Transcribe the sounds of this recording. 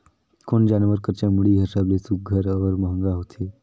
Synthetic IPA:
koɳd͡ʑanʋəɾkəɾt͡ɕamuɭiɦesablesuɡʱəɾəʋəɾməɦəŋɡaɦot̪ʰe

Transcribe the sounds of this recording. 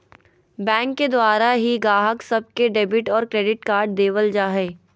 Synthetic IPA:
bɛ̃ːŋkːed̪waːɾaɦiɡaːɦəksɐb̚keɖeːbɪʈɔːɾkɾeːɖɪʈkaːɾɖ̚d̪eːʋəld͡ʒaːɦɛː

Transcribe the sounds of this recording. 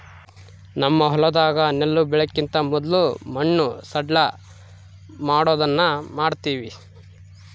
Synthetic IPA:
nɐmːɐɦɔlɐd̪aːɡɐnelːubɛɭɐkːint̪ɐmɔd̪lumɐɳːusɐɖɭɐ | maːɽoːd̪ɐnːɐmaːɖt̪iːʋi

